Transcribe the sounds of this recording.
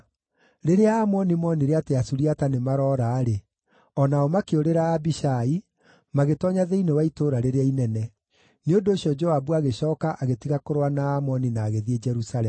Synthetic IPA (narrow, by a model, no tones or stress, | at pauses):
ɾeɾeaːmɔnimɔniɾeateasuɾiatanemaɾɔːɾaːɾe | ɔnaɔmakeoɾeɾaːbiɕai | maɣetɔɲaðeinewaitoːɾaɾeɾeainɛnɛ | neondoːɕjɔd͡ʒɔabuaɣeɕɔːkaʔaɣetiɣakoɾwanaːmɔninaːɣeðied͡ʒɛɾusalɛm